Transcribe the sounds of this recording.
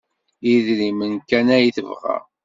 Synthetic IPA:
iðɾimənkænæjθəvʁæ̰ʁ

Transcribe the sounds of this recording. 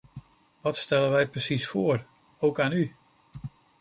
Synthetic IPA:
ʋɑtstɛləʋɛjprəsisfʊːr | owkaːny

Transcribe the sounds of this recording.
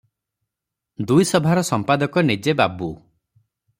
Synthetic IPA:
d̪ujsɔbʱaɾɔsɔmpad̪ɔkɔned͡ʒebabu

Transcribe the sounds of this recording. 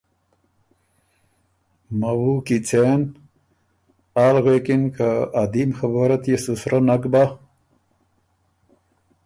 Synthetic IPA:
mawukit͡sen | aːlɣekinkaːd̪imxɐbaɾɐt̪jesusɾanakba

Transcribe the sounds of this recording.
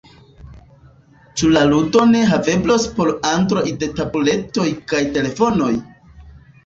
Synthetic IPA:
t͡ʃulaludo̞ne̞ɦave̞blospo̞ɾantɾo̞jde̞tabule̞to̞jkajte̞le̞fo̞no̞j

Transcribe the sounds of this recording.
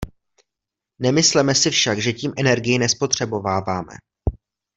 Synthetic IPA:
nɛmɪslɛmɛsɪfʃakʒɛciːmʔɛnɛɾɡɪjɪnɛspo̞t̪r̝̥ɛbo̞vaːvaːmɛ̰

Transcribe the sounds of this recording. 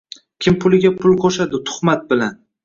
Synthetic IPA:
kʲʰɪmpʰʊlɪɡʲapʰʊlˠqʰoʃad̪ɪt̪ʰʊ̥χmat̪̚bɪlan

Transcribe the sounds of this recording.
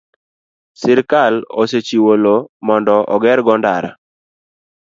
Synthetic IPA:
sɪɾkaloset͡ʃiwolomɔndɔʔɔɡɛɾɡɔndaɾa̰

